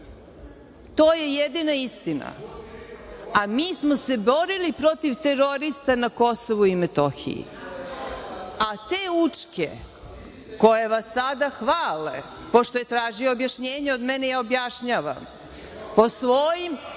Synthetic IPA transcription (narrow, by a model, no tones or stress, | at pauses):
t̪o̞ːje̞jed̪inaist̪ina̰ | amiːsmose̞bo̞ɾilipɾo̞t̪iʋt̪e̞ɾo̞ɾist̪anako̞soʋuimet̪oxḭjḭ | at̪eːut͡ʂkḛ | ko̞jeʋasːad̪axʋaːlḛ | po̞ʃt̪o̞je̞t̪ɾaːʒioːbjaʃɲeːɲeod̪menejaobjaʃɲaːʋa̰m | po̞sʋojim